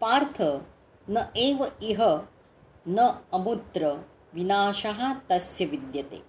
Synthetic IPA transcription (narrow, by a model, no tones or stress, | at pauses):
paːɾt̪ʰɐ | nɐʔeːʋɐiɦɐ | nɐɐmut̪ɾɐ | ʋinaːʃɐɦɐ̆t̪ɐsjɐʋid̪jɐt̪ḛː